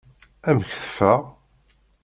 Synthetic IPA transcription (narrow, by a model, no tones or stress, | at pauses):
æməçθə̥fæʁ